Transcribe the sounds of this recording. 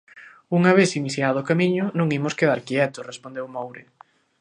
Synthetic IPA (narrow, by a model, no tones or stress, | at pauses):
uŋaβeθiniθjaðʊːkamiɲʊnõŋimʊskeðaɾkiɛt̪ʊrespond̪ewmowɾe